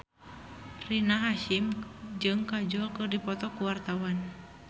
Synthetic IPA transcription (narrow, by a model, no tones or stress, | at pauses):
rinaɦaʃimd͡ʒɨŋkad͡ʒɔlkɨrdipɔt̪ɔkuwart̪awan